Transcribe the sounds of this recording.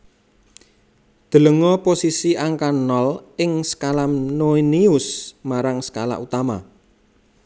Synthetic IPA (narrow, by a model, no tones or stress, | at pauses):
d̪̥ə̤ləŋɔposisiʔaŋkanɔlɪŋsə̥kalamnoiniʊsmaɾaŋsə̥ka̰la̰ʔut̪ama